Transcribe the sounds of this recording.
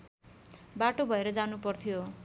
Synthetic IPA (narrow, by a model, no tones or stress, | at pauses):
baʈobʱʌeɾʌd͡zanupʌrt̪ʰijo